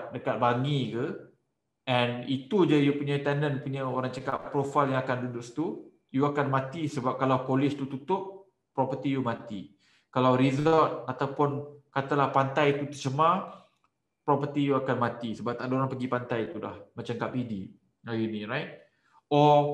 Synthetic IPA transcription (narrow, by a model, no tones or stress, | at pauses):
dəkat̪̚baŋikə | ɛ̃nit̪ud͡ʒəjupuɲat̪ɛndənpuɲəoɾaŋt͡ʃəkappːɾofaljãŋakandudʊʔst̪u | juakanmãt̪isəbap̚kalawkolɪst̪ut̪ut̪ʊʔ | pːɾɔpət̪ijumãt̪i | kalawɾizəlt̪̚at̪awpʊnkat̪alahpant̪ajit̪ut̪ət͡ʃəmã | pɾɔpət̪ijuakanmãt̪isəbap̚t̪aʔdəoɾaŋpəɡipant̪ajt̪uda̰hmãt͡ʃaŋkap̚idi | ajuniɹajt̚ | ɔ